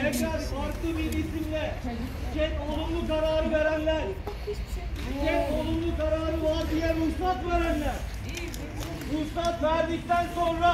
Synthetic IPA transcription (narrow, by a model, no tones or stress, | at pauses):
eklæɾaɾt̪ɯbid̪isimlɛ | t͡ʃʰɛnolˠumlˠukaɾaːɾɯveɾænlʲæɾ | t͡ʃʰɛnolˠunlˠukaɾaːɾɯmat̪ijɛɾmusat̪veɾænlʲæɾ | musat̪saɾd̪ik̚t̪ʰænsonɾa